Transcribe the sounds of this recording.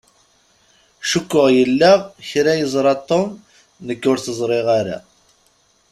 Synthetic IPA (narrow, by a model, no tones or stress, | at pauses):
ʃəkʷːʊʁjəlːəʁçɾæjəzˤɾˤɑt̪ˤːom | nəkːʊɾθəzˤɾˤeʁaɾa̰